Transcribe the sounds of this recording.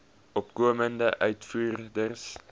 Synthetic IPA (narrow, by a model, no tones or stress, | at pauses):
ʔɔpkuəməndəʔœɥtfuːrdərs